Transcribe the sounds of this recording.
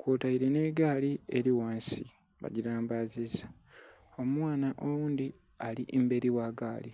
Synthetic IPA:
kwoːtaiɾene̞ːɡaːlieɾiwaːnsi | βa̰ɟiɾaːmbaziza | o̞mwaːnaʔowuːnd̪i | aliʔembe̞ɾiwaːɡaːli

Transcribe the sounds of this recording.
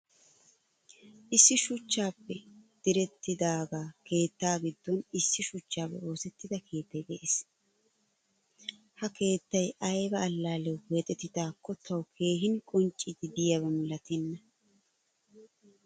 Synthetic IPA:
ʔɪsːɪʃʊt͡ʃːaːpːɛd̪̥ɪɾɛt̪ːɪd̪aːɡaːke̞ːt̪ːaːɡɪd̪ːɔnɪsːɪʃʊt͡ʃːaːbɛ̰o̞ːsɛt̪ːɪd̪ɐkʰe̞ːt̪ːɐjd̪ɛʔes | hɐke̞ːt̪ːɐjɐjbɐːlːaːlɛwwɛt̪ʼɛt̪ːɪd̪aːkːɔt̪ʰɐwkʰe̞ːɦɪnkʼɔnt͡ʃʼːɪd̪ɪd̪ɪjaβɐmɐlɐt̪ɛnːɐ

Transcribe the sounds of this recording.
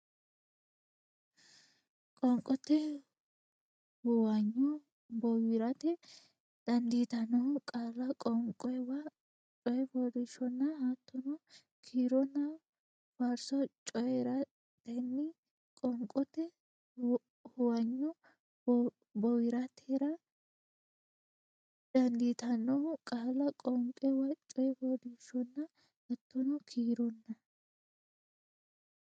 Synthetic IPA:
kʼɔŋkʼɔt̪ːɛ | hʊwɐɲːɔ | bɔwɪɾɐt̪ɛ | d̪̥ɐnd̪iːt̪ɐnɔkʼaːlɐkʼɔŋkʼɔɛwɐ | t͡ʃʼɔjɛbɔd̪ɪʃɔnːɐhaːt̪ːɔnɔ | kʰiːɾɔnːɐ | faɾsɔt͡ʃʼɔjɛɾɐ | t̪ɛnːɪ | kʼɔŋkʼɔt̪ɛ | hʊwɐɲːɔ | bɔwɪɾɐt̪ʰeːɾɐ | d̪̥ɐnd̪it̪ɐnːɔkʼaːlɐkʼɔŋkʼɛwɐt͡ʃʼɔjɛfɔd̪iʃɔnːɐ | hɐt̪ːɔnɔkʰiːɾɔnːɐ

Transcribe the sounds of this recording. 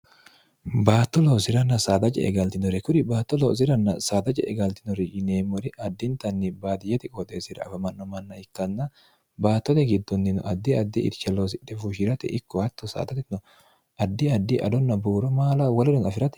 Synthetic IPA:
baːt̪ːɔloːsɪɾɐnːɐsaːd̪ɐt͡ʃʼɛ̰ʔɛ̰ɡɐlt̪ɪnɔɾɛkʊɾɪbaːt̪ːɔloːs̬ɪɾɐnːɐ̰saːd̪ɐt͡ʃʼɛ̰ʔɛɡɐlt̪ɪnɔɾɪʔɪneːmːɔɾɪʔɐd̪ːɪnt̪ɐnːɪbaːt̪ɪjɛt̪ɪkʼɔt̪ʼesɪɾɐ̰ɐ̰fɐmɐnːɔmɐnːɐɪkːɐnːɐ | baːt̪ːɔt̪ɛɡɪd̪ːɔnːɪnɔ̰ʔɐd̪ːɪɐd̪ːiʔɪ̰ɾt͡ʃɛloːs̬ɪᶑ̪ɛfuʃɪɾɐt̪ɛ̰ʔɪkːɔhɐt̪ːɔsa̰ːd̪ɐt̪ɪnɔ | ʔɐd̪ːɪɐd̪ːɪʔɐ̰d̪ɔnːɐbuːɾɔmaːlɐwɐlɔdɪnɐfɪɾɐt̪ɛ̥

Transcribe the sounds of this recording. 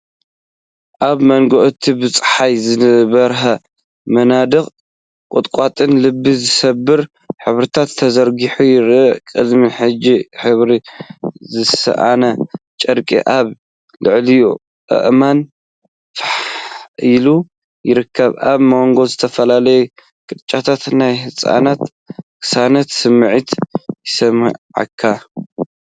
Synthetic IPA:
ʔaβmɐŋɡoʔt̪ʰibɨt͡sʼħajzɨβɐɾɦɐ | mɐnad̪ɨχʼ | kʼʊt̪ʼkʼat̪ʼɨnlɨbːizɨsɐbːɨɾ | ħɨβɾɨt̪ʰat̪ʰːɐzɐɾɡiħujɪɾʔɨʔkʼɨd̪miħɨd͡ʒiħɨβɾizɨsɐ̰ʔa̰nɐt͡ʃʼɐɾkʼḭʔaβ | lɨʕlijo | ɨ̰ʔman | fħilu | jɪɾɨkʰːɐβaβmowŋɡo̞zɨt̪ʰɐfɐlalɐju | kʼɨd̪t͡ʃʼat̪ʰat̪najhɨsʼa̰nat̪ | kʰɨ̥sanat̪sɨmʕit̪jɪsɐm̰ʕa̰kʰːa

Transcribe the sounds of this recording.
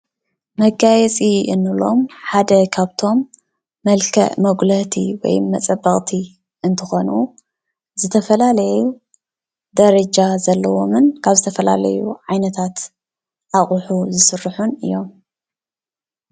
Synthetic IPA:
mɐɡajɛt͡sʼiʔɨnɨlo̞̰mħad̪ɐkʰaβt̪ʰo̞mː | ɐlkʰɐ̰ʔmɐɡlɐt̪ʰḭwɔ̰jmɐt͡sʼɐbɐχʼt̪ʰi | ɨnt̪ʰɨxo̞nu | zɨt̪ʰɐfɐlalɐju | d̪ɐɾɐd͡ʒazɐlːɐwo̞mɨnkʰaβzɨt̪ʰɐfɐla̰lɐ̰jṵʕajnɐt̪ʰat̪ | ʔaχʼuħuzɨsɨrːħunɨ̰jːo̞m

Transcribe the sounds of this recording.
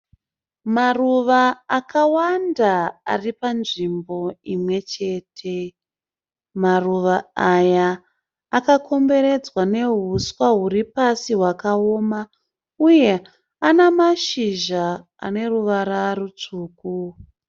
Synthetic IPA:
maruʋaːkawandaa̰ripanʐimbo̞imwe̞t͡ʃe̞ːtʰe̞ | maruʋaajaː | kakʰo̞mbe̞ɾe̞d͡zwane̞ɦuswaɦuripasiɦwakao̞ːma | uje̞ | anamaʃiʒa | a̰ne̞ruʋaɾarut͡ʂuːku

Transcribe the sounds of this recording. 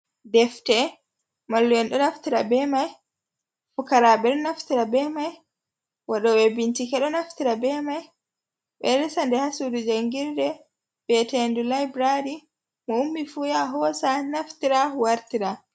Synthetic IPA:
dɛftɛ | malːujɛnɗɔnaftiɾabɛmaj | fukaɾaɓɛɗɔnaftiɾabɛmaj | waɗɔwɛbintikɛɗɔnaftiɾabɛmaj | ɓɛɾɛsandɛhasudud͡ʒaŋɡiɾdɛ | bɛtɛndulajbɾaɾi | mɔumːifujaɦɔsanaftiɾawaɾtiɾa

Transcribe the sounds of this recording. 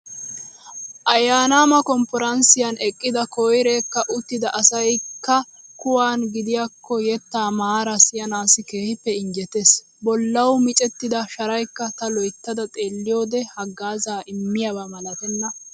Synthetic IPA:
ʔɐjaːnaːmɐkɔmpɔɾɐnsɪjɐnɛkʼːɪd̪ɐkɔjɾe̞ːkːɐʔʊt̪ːɪd̪ɐʔɐsɐjkːɐ | kʊwaːnɡɪd̪ɪjakːɔjɛt̪ːaːmaːɾɐsɪjɐnaːsɪke̞ːhɪpːɛɪɲd͡ʒɛt̪es | bɔlːɐwmɪt͡ʃʼɛt̪ːɪd̪ɐʃɐɾɐjkːɐt̪ɐlɔjt̪ːɐd̪ɐt̪ʼe̞ːlːɪjo̞ːd̪ɛhɐɡːaːzaːʔɪmːɪjɐbɐmɐlɐt̪ɛnːɐ

